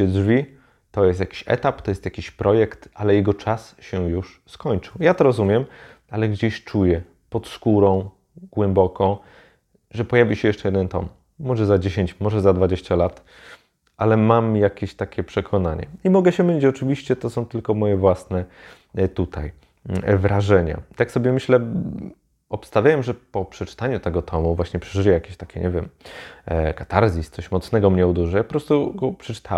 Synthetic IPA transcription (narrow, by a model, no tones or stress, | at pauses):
ɛdʐvʲi | t̪ɔjɛst̪jakʲi̥ɕɛ̰t̪ap̚t̪ɔjɛst̪jakʲiɕpɾʔɔjɛkt̪ʔalɛjɛɡɔt͡ʂasɕɛjuʂ | skɔɲt͡ʂɨwjat̪ɔɾɔzumʲjɛm | alɛɡd͡ʑeɕt͡ʂujɛ | pɔt̪skuɾɔ̃w̃ | ɡ̥wɛmbɔkɔ̃w̃ | ʐɛpɔjavʲiɕɛjɛʂt͡ʂɛjɛd̪ɛnt̪ɔ̰mː | ɔʐɛzad͡ʑeɕeɲt͡ɕmɔʐɛzad̪vad͡ʑeɕt͡ɕalat̪ | ʔalɛmamjakʲeɕt̪akʲɛpʂɛkʰɔnaɲɛ̰imɔɡɛɕɛmɘʎʲit͡ɕɔt͡ʂɘvʲiɕt͡ɕɛt̪ɔsɔ̃w̃t̪ɘlkɔmɔjɛvwasnɛ | t̪ut̪ʰa̰j | vɾaʐɛɲa̰t̪aksɔbʲjɛmɘɕlɛ | ɔpst̪avʲjawɛmʐɛpɔpʂɛt͡ʂt̪aɲut̪ɛɡɔt̪ʰɔmuvwaɕɲɛpʂɛʐɘjɛjakʲeɕt̪akʲʰɛɲʔɛvʲjɛm | kat̪aɾzʲist̪sɔɕmɔt̪snɛɡɔmɲɛud̪uʐɨjapɔpɾɔst̪uɡɔpʂɛt͡ʂɘ̥t̪ʰa